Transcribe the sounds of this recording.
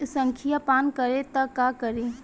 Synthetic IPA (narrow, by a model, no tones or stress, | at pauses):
sɐ̃ŋkʰijapaːnkɐɾet̪ɐkaːkəɾe